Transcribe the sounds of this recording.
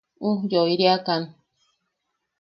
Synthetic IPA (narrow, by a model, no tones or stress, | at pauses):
ũjoiɾiakan